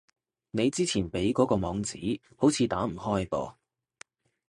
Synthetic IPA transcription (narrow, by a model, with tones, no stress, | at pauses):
ne˨˧jt͡siː˥t͡sʰiː˨˩npe˨˥jkɔː˨˥kɔː˧mɔː˨˧ŋt͡sḭː˨˥ | ho˨˥wt͡sʰiː˨˧t̪aː˨˥m̩˨˩hɔː˥jpɔ̰ː˧